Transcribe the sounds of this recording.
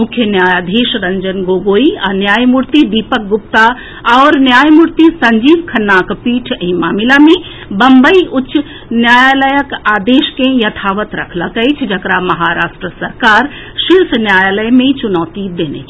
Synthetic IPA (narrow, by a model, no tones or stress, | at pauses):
mʊkʰjənjaːjaːd̪ʱeːʃɾɐɲd͡ʒənɡoːɡoːiɐnjaːjmuɾt̪id̪iːpək̚ɡʊp̚t̪a | ɔːɾnjaːjmuɾt̪isɐ̃ɲd͡ʒiːbkʰɐnːaːkpiːʈʰĩmaːmɪlamẽ | bɐmbəiʔʊt͡ʃːʃ | njaːjaləjəkaːd̪eːʃkẽjɐt̪ʰaːʋət̪ɾɐkʰləkəit͡ʃʰd͡ʒʱɐkɾamɐɦaɾaːʃʈɾəsɐɾkaːɾ | ʃilsnjaːjaləjmẽt͡ʃʊnɔːt̪id̪eːnḛt͡ʃʰ